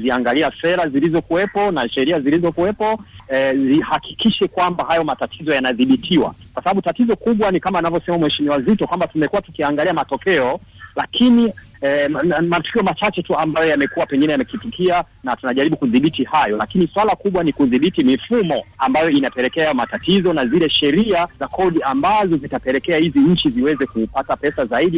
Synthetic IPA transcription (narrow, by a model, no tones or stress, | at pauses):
ziaŋɡaliafɛðazilizɔkuwɛpɔnaʃɛɾiazilizɔkuwɛpɔɛzihakʰi̥kiʃɛkwambahajɔmatatʰizɔjanaðiɓitʰiwa̰kwasaɓaɓutatizɔkuɓwanikamaːnavjɔsɛmamwɛʃimiwazitɔkwambatumɛkuwatu̥kiaŋɡaliamatɔkɛɔ | lakʰini | ɛmatu̥kiɔmat͡ʃat͡ʃɛtuambajɔjamɛkuwapɛŋɡinɛjamɛkifikʰia | natunaʄaɾiɓukuðiɓitihajɔla̰kiniswalakuɓwanikuðiɓitimifumɔambajɔinapɛlɛkɛamatatizɔnazilɛʃɛɾiazakʰɔɗiambazɔzitapɛlɛkɛahiziɲ̩t͡ʃiziwɛzɛkupatapɛsazaiɗi